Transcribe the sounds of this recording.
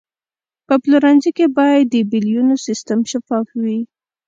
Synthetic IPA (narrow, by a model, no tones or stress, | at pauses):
pəpluɾɑnzikebɑjad̪ːəbiljunosist̪əmʃafɑfwi